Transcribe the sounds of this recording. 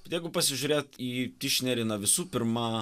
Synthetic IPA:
jɛɪɡʊpɐsʲɪʒʲuɾʲeːt̪iːt̪ʲɪʃʲnʲɛɾʲɪnɐʋʲɪsuːpʲɪɾmɑ

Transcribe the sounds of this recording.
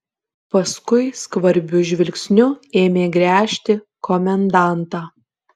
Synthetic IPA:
pɐskʊɪskʋɐɾʲbʲʊʒʲʋʲɪlʲksʲnʲʊeːmʲeːɡɾʲæːʃʲt̪ʲɪ | kɔmʲɛnd̪ɑˑnt̪ɑː

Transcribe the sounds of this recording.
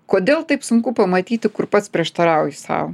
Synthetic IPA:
koːd̪ʲeːlˠt̪ɐɪpsʊŋkʊpɐmɐt̪ʲiːt̪ʲɪkʊɾpɐt̪spʲɾʲiɛʃt̪ɐɾɐʊjɪsɑ̰ːʋo

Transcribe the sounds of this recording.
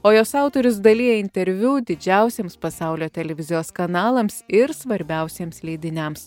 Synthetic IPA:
oːjoːsɑˑʊt̪oːɾʲʊs̬d̪ɐlʲiːjɛɪnʲt̪ʲɛɾʲʋʲuːd̪ʲɪd͡ʒʲɛˑʊsʲeːmspɐsɑˑʊlʲoːt̪ʲɛlʲɛʋʲɪzʲɪjoːskɐnɑːlˠɐmsɪɾsʋɐɾʲbʲɛˑʊsʲeːmslʲɛːd̪ʲɪnʲɛms

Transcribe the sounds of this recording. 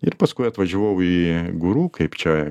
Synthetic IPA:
iɾʲpɐskojɐt̪ʋɐʒɪʋowiɡʊɾukɐjpt͡ʃajɐ

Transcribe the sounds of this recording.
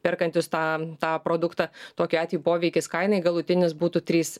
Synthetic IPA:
pʲɪɾkɐnʲt̪ʲɪst̪ɑːt̪ɑːpɾoːd̪ʊkt̪ɐt̪oːkʲɪɑːt̪ʲʋʲijipoːʋʲɛɪkʲɪskɐɪnɐɪɡɐlˠʊt̪ʲɪnʲɪsbuːt̪ut̪ʲɾʲiːs

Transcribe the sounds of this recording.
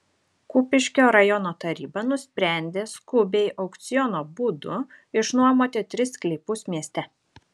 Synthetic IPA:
kupʲɪʃʲkʲoːɾɐjɔnoːt̪ɐɾʲiːbɐnʊsʲpʲɾʲæˑnʲd̪ʲeːskʊbʲɛɪʔɒʊkt̪sʲɪjɔnoːbuːd̪ʊ̰ | ɪʃnuɔmoːt̪ʲeːt̪ʲɾʲɪsklʲɪpʊsmʲiɛsʲt̪ʲɛ

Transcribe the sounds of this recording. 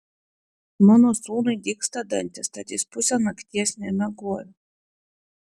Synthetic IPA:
nɔnɔsuːnɨd̪ʲikst̪ad̪a̰nʲt̪ʲast̪at̪ʲispusʲanakt̪ʲiɛsʲnʲɛmʲaɡuɔjʲ

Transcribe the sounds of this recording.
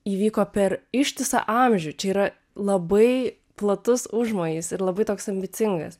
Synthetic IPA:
iːʋʲiːkoːpʲɛɾɪʃʲt̪ʲɪsɐ̰ʔɑmʲʒʲʊt͡ʃʲɛiːɾɐ | lˠɐbɐɪ | plˠɐt̪ʊsʊʒmoːjiːsɪɾlˠɐbɐɪt̪oːksɐmʲbʲɪtt͡s̪ʲɪŋɡɐ̰s

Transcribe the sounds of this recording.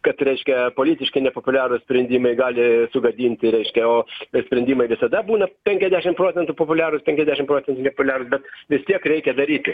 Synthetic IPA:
kɐt̪ɾʲɛɪʃʲkʲɛpoːlʲiːt̪ʲɪʃkɐɪnʲɛpoːpʊlʲæːɾʊssʲpʲɾʲɛnʲd̪ʲiːmɐɪɡɑːlʲɪsʊɡɐd̪ʲiːnʲt̪ʲɪɾʲɛɪʃʲkʲɛoːsʲpʲɾʲɛnʲd̪ʲiːmɐɪʋʲɪsɐd̪ɐbuːnɐpʲɛŋʲkʲɛzʲd̪ʲæːʃʲɪmpɾoːt͡sʲɛnt̪ʊːpoːpʊlʲæːɾʊspʲɛŋʲkʲɛzʲd̪ʲæːʃʲɪmpɾoːsʲɛnt̪ʊnʲɛpopʊlʲæːɾʊsbʲɛt̪ʋʲɪst̪ʲiɛkɾʲɛɪkʲɛd̪ɐɾʲiːt̪ʲɪ

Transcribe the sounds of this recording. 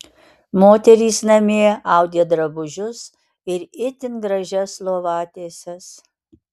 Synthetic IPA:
moːt̪ʲɛɾʲiːsnɐmʲeːɑʊd̪ʲeːd̪ɾɐbʊʒʲʊs | ɪɾɪt̪ʲɪnɡɾɐʒʲɛslˠoːʋɑːt̪ʲeːsʲɛs

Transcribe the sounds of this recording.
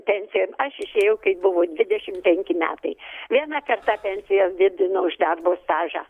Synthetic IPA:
pʲɛnʲsʲɪjoːmɐʃɪʃʲeːjɛʊkɐɪbʊʋoːd̪ʲʋʲɪd̪ʲɛʃʲɪmpʲɛŋʲkʲɪmʲæ̰ːt̪ɐɪʋʲiɛnɑkɐrt̪ɑpʲɛnʲsʲɪjosd̪ʲɪd̪ʲɪnoʊʒd̪ɐrboːst̪ɑːʒɑ̰ː

